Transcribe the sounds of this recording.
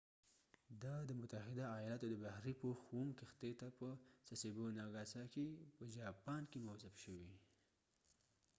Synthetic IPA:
d̪ɑd̪əmʊt̪ahɪd̪aːjɑlat̪od̪əbahɾipəxumkext̪et̪apəsasibonɑɡɑsɑkepəd͡ʒɑpɑnkemawzafʃəwi

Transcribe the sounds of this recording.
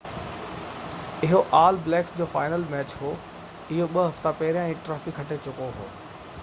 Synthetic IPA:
ɪɦoʔaːlblɛːksd͡ʑoːfaːɪnəlmɛːt͡ɕɦoː | ɪɦoɓɐɦɐft̪apɐɦɪɾijãĩːʈɾaːfɪkʰːɐʈet͡ɕʊkoɦo̰ː

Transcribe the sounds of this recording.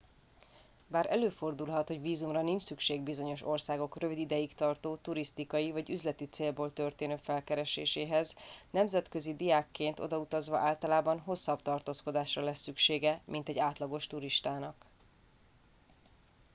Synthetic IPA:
baːɾɛløːfo̞rd̪ulɦɒt̪ho̞ɟviːzumrɒniɲt͡ʃsykʃeːɡbizo̞ɲo̞ʃo̞rsaːɡo̞krø̞vid̪id̪ɛjikt̪ɒrt̪oːt̪uɾist̪ikɒjivɒɟyzlɛt̪it̪seːlboːlt̪ø̞rt̪eːnøːfɛlkɛɾɛʃeːʃeːɦɛznɛmzɛt̪kø̞zid̪ijaːkːeːnt̪o̞̰d̪ɒut̪ɒzʋɒʔaːlt̪ɒlaːbɒnɦo̞sːɒbt̪ɒrt̪oːsko̞d̪aːʃrɒlɛsːykʃeːɡɛmʔint̪ɛɟaːt̪lɒɡo̞ʃt̪uɾiʃt̪aːnɒk

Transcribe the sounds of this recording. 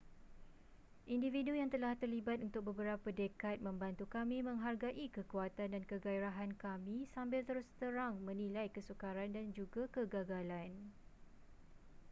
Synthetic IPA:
ʔindividujaŋt̪əlaht̪ərlibat̪̚unt̪ʊk̚bəbəɾapadekat̪̚mə̃mbant̪ukamĩmə̃ŋɦarɡaʔikəkuat̪andankəɡaiɾaɦankamĩsambɪlt̪əɾʊst̪əɾaŋmə̃nĩlajkəsukaɾandand͡ʒuɡakəɡaɡalan

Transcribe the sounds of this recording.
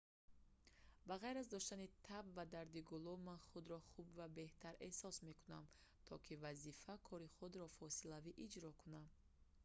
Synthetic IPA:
baʁajɾazd̪ɔʃt̪anit̪ʰabvad̪aɾd̪iɡulumanχud̪ɾɔχubvabe̞ht̪ʰaɾe̞sɔsme̞kunam | t̪ʰɔkʰivazifakʰɔɾiχud̪ɾɔfɔsilaviʔid͡ʒɾɔkʰunam

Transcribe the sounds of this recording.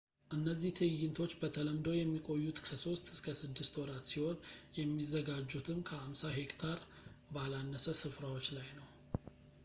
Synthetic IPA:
ʔɨnːəzːiht̪ʰɨjɨnt̪ʰo̞t͡ʃːbət̪ʰələmd̪owjɛmːikʼo̞jːut̪kʰəso̞st̪ɨskʰəsɨd̪ːɨst̪wɔɾat̪siho̞njɛmːizːəɡad͡ʒːut̪ʰɨmkʰəhamsaɦe̞kt̪ʰaɾbalanːəsəsɨfɾawot͡ʃːlajnəw

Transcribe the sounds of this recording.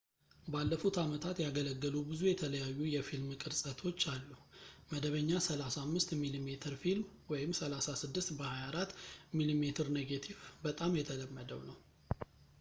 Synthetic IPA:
balːəfut̪amət̪ʰat̪jaɡələɡːəlubɨzujɛt̪ʰələjajːujɛfilmkʼɨɾsʼət̪ʰo̞t͡ʃːalːuməd̪əβəɲːasəlasamːɨst̪milimet̪ʰɨɾfilmwɔjɪmsəlasasɨd̪ːɨst̪bəhajaɾat̪ːmilimet̪ʰɨɾneɡat̪ʰivbət̪ʼamjɛt̪ʰələmːəd̪əwnəw

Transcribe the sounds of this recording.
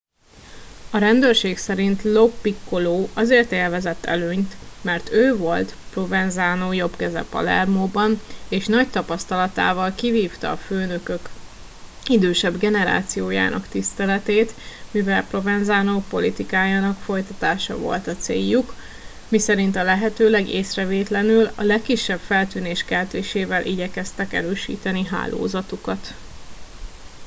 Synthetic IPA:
ɒɾɛnd̪øːrʃeːksɛɾint̪lopːikːoloːʔɒzeːrt̪eːlvɛzɛt̪ːɛ̰løːɲt̪mɛrt̪øːvo̞lt̪pro̞vɛnzaːnoːjo̞pkɛzɛ̰pːɒ̰lɛ̰rmoːbɒneːʃnɒc̚t̪ɒpɒst̪ɒlɒt̪a̰ːvɒlkiviːft̪ɒ̰ːføːnø̞kø̞k | id̪øːʃɛbɡɛnɛɾa̰ːt̪sijoːja̰ːnɒ̰kt̪ist̪ɛlɛt̪eːt̪mivɛlpro̞vɛnzaːnoːpo̞lit̪ikaːjaːnɒkfo̞jt̪ɒt̪aːʃɒ̰vo̞̰lt̪ɒt̪sḛːjːuk | misɛɾint̪ɒlɛɦɛt̪øːlɛɡeːsrɛveːt̪lɛnylɒ̰lɛkːiʃːɛbfɛlt̪yːneːʃkɛlt̪eːʃeːvɛlʔiɟɛkɛst̪ɛkɛ̰ɾøːʃḭːt̪ɛniɦa̰ːlʔo̰ːzɒt̪ukɒt̪

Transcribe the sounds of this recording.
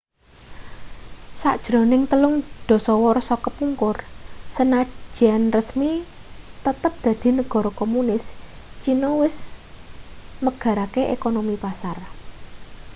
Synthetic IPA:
sa̰ʔd̥ʒ̥ɾo̤nɪŋt̪əlʊŋd̪̥ɔ̤sɔwɔrsɔkəpuŋkʊrsənḁʒ̥ianrəsmi | t̪ət̪əp̚d̪̥ä̤d̪̥i̤nəɡ̥ɔ̤ɾɔkomunɪs | t͡ʃinɔwɪs | məɡ̥ä̤ɾakeʔḛkonomipasar

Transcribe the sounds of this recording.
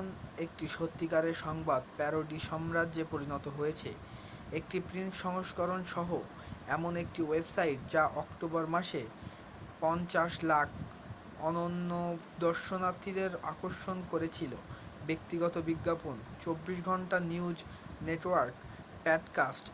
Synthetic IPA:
nek̚ʈiʃot̪ːikaɾeɾʃɔŋbad̪pɛɾoɖiʃɔmɾad͡ʑepoɾinɔt̪oɦojet͡ɕʰḛ | ek̚ʈipɾinʃɔŋoʃkɔɾonʃɔɦo | ɛmonek̚ʈiwebsaiʈ̚d͡ʑaʔɔkʈobaɾmaʃe | pɔnt͡ɕaʃlakʰ | ɔnonːo | d̪ɔɾʃonat̪ʰːid̪eɾa̰koɾʃonkoɾet͡ɕʰilo̰ | bek̚t̪iɡɔt̪obiɡːapon | t͡ɕobːiʃ̬ɡʱɔɳʈaniud͡ʑ | neʈwaɾk | pɛɖkasʈ

